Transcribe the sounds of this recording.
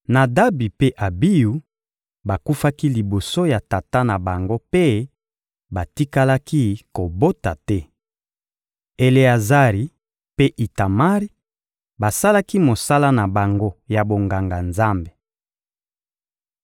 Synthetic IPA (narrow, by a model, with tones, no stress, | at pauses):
na˨da˦bi˨pe˦ʔa˨bi˦ju˨ | ba˨ku˦fa˦ki˦li˨bo˨so˦ja˨ta˨ta˦na˨ba˨ŋɡo˦pe˦ | ba˨ti˦ka˦la˦ki˦ko˨bo˦ta˨tɛ˦ | e˨le˨a˨za˦ʁi˨ | pe˦ʔi˨ta˨ma˦ʁi˦ | ba˨sa˦la˦ki˦mo˨sa˦la˦na˨ba˨ŋɡo˦ja˨bo˨ŋɡa˨ŋɡa˨nza˦mbe˨